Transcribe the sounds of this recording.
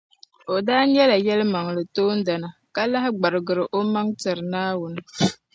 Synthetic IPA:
o˨daː˦ɲɛ˦la˨jɛ˦lɨ˦ma˨ŋ˨lɨ˨toː˦n̩˦da˨na˨ka˦la˦ɦɪ˦ɡ͡ba˨ɾɨ˨ɡɨ˨ɾɨ˨ʔo˦ma˦ŋtɨ˨ɾɨ˨naː˦wʊ˨nɨ˦

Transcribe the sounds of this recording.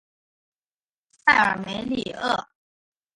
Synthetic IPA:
sʰa˥˩ɪə˨˩me˧˥ɪli˨˩ɤ˥˩

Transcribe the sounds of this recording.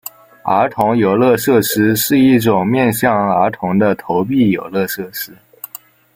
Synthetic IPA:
ə˧˥t̪ʰʊ˧˥ŋjo˨˩ʊlɤ˥˧ʂɤ˥˩ʂɻ̩˥ʂɻ̩˥˧i˥˩ʈ͡ʂʊ˨˩ŋmjɛ˥˧nɕjɑ˥˩ŋə˞˧˥t̪ʰʊ˧˥ŋd̪ə˧t̪ʰo˧˥ʊp̬i˥˩jo˨˩ʊlɤ˥˧ʂɤ˥˩ʂɻ̩˥

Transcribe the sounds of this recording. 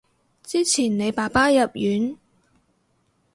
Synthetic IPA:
t͡siː˥t͡sʰiː˨˩nne˨˧jpaː˨˩paː˥jɐ˨p̚jyː˨˥n

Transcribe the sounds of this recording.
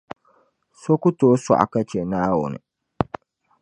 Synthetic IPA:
so˦kʊ˦toː˦sa̰˨ʔa̰˨ka˦t͡ʃɛ˨naː˦wʊ̰˨nɨ̰˨

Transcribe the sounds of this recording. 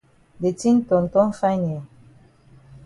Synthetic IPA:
de˨ti˦n˦tɔ˨n̩˨tɔ˦n˦fa˦ɲe˨

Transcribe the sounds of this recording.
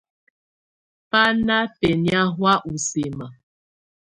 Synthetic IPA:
pa˦na˦fe˨nja˦ɦwa˦ʔu˨se˨ma˨

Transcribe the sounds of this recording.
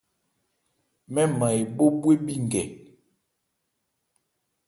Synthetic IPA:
mɛ˦ma˨e˨bo˦bwe˦bi˦ŋ˨ɡɛ˨

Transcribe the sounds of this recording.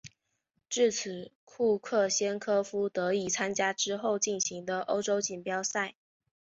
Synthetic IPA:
ʈ͡ʂɻ̩˥˩t͡sʰɹ̩˨˩˦ | kʰu˥˧kʰɤ˥˩ɕjɛ˥nkʰɤ˥fu˥t̪ɤ˧˥i˨˩t͡sʰa˥nt͡ɕja˥ʈ͡ʂɻ̩˥xo˥˧ʊt͡ɕi˥˩nɕi˧˥ŋd̪ə˧ʔo˥ʊʈ͡ʂo˥ʊt͡ɕi˨˩npjɑ˥ʊsa˥˩ɪ

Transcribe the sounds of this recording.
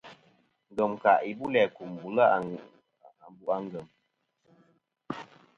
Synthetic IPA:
ŋ̩˨ɡə˨mka˨ʔi˨bu˦lɛ˨ku˨m˨bu˨la˦˨ | m˨bu˨ʔa˦ŋ˦ɡə˨m

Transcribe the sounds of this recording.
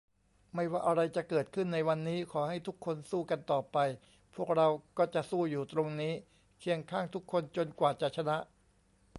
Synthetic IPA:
ma˥˩jwaː˥˩ʔa˧ɾa˧jt͡ɕa˨˩kɤː˨˩t̪̚kʰɯ˥˩nːa˧jwa˧nːiː˦˥kʰɔː˩˦ha˥˩jt̪ʰu˦˥kʰːo˧nsuː˥˩ka˧nt̪ɔː˨˩pa˧j | pʰu˥˩ək̚ɾa˧wkɔː˥˩t͡ɕa˨˩ʔsuː˥˩juː˨˩t̪ɾo˧ŋniː˦˥ | kʰi˧əŋkʰaː˥˩ŋt̪ʰu˦˥kʰːo˧nt͡ɕo˧nkwaː˨˩t͡ɕa˨˩t͡ɕʰa˧na˦˥ʔ

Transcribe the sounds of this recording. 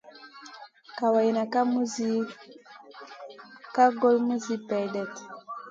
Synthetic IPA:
ka˨wa˨ji˨na˨ka˦mu˦zi˦ | ka˦ɡo˦lmu˦zi˦pɛ˨dɛ˨t

